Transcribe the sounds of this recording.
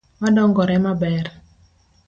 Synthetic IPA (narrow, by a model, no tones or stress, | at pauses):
madɔŋɡɔɾɛmabɛr